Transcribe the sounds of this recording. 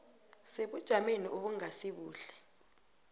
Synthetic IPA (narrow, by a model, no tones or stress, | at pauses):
seɓud̥ʒ̥ʱameniʔoɓuŋasiɓuːɬɛ̥